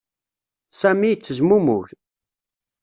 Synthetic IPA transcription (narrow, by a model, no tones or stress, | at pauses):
sæmit͡sːəzmumʊç